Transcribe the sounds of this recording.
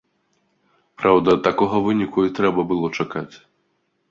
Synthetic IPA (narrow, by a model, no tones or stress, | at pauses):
pɾawd̪ɐt̪ːakɔɣɐvɨnʲikuit̪ɾɛbɐbɨlˠɔt͡ʂakat͡sʲ